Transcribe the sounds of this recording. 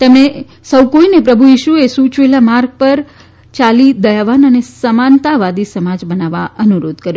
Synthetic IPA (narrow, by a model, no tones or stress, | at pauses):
t̪əme | səwkoinepɾəbʱuiʃuesut͡ʃʋelamaɾɡ̚pəɾ | t͡ʃalid̪əjaʋanənesəmant̪aʋad̪isəmad͡ʒbənaʋaʔənuɾod̪kəɾjo